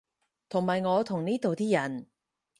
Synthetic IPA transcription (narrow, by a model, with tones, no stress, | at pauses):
t̪ʰʊ˨˩ŋmaː˨jŋɔː˨˧t̪ʰʊ˨˩ŋniː˥t̪o˨wt̪iː˥jɐ˨˩n